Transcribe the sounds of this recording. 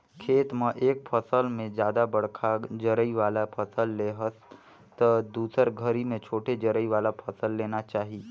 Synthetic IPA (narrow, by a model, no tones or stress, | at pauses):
kʰeːt̪mə̃ʔeːk̚pʰəsəlmẽd͡ʒjaːd̪abɐɽ̤kʰad͡ʒəɾəiʋaːlapʰəsəlːeɦəs | t̪əd̪uːsəɾɡʱəɾimẽt͡ʃʰoːʈʰed͡ʒəɾəiʋaːlapʰɐsəlːeːnat͡ʃaːɦi